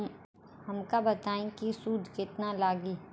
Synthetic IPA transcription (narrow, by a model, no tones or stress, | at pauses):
ɦɐmkabɐt̪aːẽkisuːd̪ʱkɪt̪nalaːɡiː